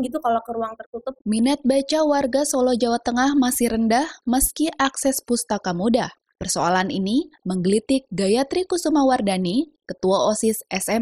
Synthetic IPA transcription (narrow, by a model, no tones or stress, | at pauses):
ɡit̪ukalakəɾuaŋt̪ərt̪ut̪ʊp̚minɛt̪̚bat͡ʃawarɡasɔlɔd͡ʒawat̪əŋahmasihɾəndahməskiʔaksɛspust̪akamudah | pərsoalaniniməŋɡəlit̪ik̚ɡajat̪ɾikusumawardanikət̪uaosisɛsɛm